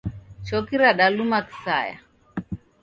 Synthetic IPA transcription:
t͡ʃɔkiɾaɗalumaki̥sa̰ja̰

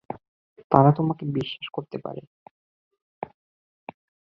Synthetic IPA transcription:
t̪aɾat̪omakebiʃːaʃkoɾt̪epa̰ɾḛ

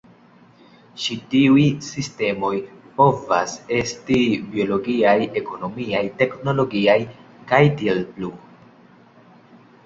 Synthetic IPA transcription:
ʃitiujsiste̞mo̞jpo̞va̰se̞stibio̞lo̞ɡiaje̞ko̞no̞miajte̞kno̞lo̞ɡiaj | kajtielplu

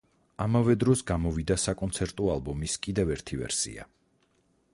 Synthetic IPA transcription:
amavɛd̪ɾɔsɡamɔvid̪asakʼɔnt̪sʰɛɾt̪ʼɔalˠbɔmiskʼid̪ɛvɛɾt̪ʰivɛ̰ɾsḭa̰

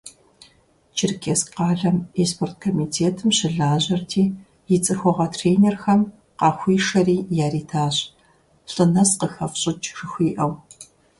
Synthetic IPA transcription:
t͡ʃʰɪrkʰesqɑːɮɐmeːspʰort̚kʰomiːtʰeːtʰɨmɕɪɮaːʑɐrtʰiː | jɪt͡sʼɨxʷɔʁɐtʰreːnerxɐm | qɑːxʷiːʂɐriːjaːriːtʰaːɕʼ | ɬʼɨnɐsqəxɐfɕʼɪt͡ʃʰʼʂɨxʷiːʔɐw

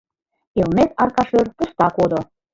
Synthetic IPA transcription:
elmet̪ɑrkɑʃørpust̪ɑkod̪ŏ

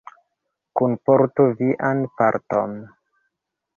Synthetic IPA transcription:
kunpoɾtoviʔanpa̰ɾto̰n

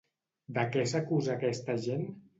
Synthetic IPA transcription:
d̪əkɛsakuzaːkɛst̪əʒen

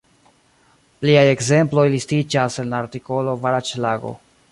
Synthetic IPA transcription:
pliaje̞ɡze̞mplo̞jlistid͡ʒase̞nlaːɾtiko̞lo̞vaɾat͡ʃlaɡo̞̰

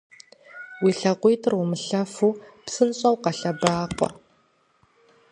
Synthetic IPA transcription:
wiːɬɐqʷijtʰɨrwʊmɨɬɐfuːpsɨnɕʼɐwqɐɬɐbaːqʷʼɔ̰r

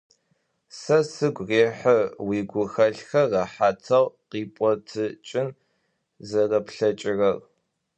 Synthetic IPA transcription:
sɐsɨɡʷreːħəwiːɡʷʊxɐɬxɐrɐħaːtʰɐʁqiːpʼɔtʰɨt͡ʃʼɪn | zɐrɐpɬɐt͡ʃʼɪrɐʁ

